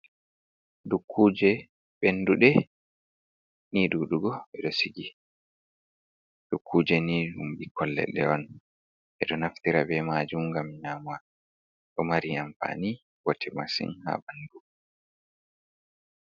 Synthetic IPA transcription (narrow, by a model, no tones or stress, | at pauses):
dukʰːuːd͡ʒɛ | ɓenːduɗɛ | niɗuɗuɡɔɓɛɗɔsiɡi | d̥ukʰːuːd͡ʒɛniumbikʰɔlːɛ̰ɗɛwɔn | ʔɛɗɔnaft̪iɾabɛmaːd͡ʒumɡamɲaːma | ɗɔmaɾiamfa̰ni | wɔtʰɛmasḭnha̰bandu